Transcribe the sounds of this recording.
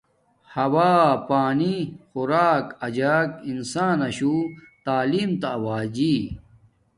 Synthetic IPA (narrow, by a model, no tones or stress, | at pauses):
hɐwaːpaːnixuɾaːkɐd͡ʑaːkinsaːnɐɕut̪aːliːmt̪awaːd͡ʑi